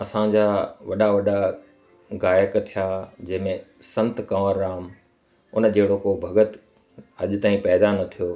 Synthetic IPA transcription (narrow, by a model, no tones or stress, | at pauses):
ɐsãd͡ʑaːʋɐɗaʋɐɗa | ɡaːjəkt̪ʰijaːd͡ʑɐ̃ɦɪmẽsɐ̃nt̪kɐʋəɾːaːm | ʊn̆d͡ʑeːɽokoːbʱɐɡət̪ | ɐʄ̆t̪ãːĩpɛːd̪anɐt̪ʰijoː